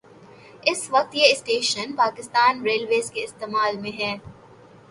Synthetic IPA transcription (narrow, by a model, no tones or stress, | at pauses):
ɪsʋɐk̚t̪jeɪsʈeːʃənpaːkɪst̪aːnɾeːlʋeːzkeɪst̪eːmaːlmẽɦɛ̃ː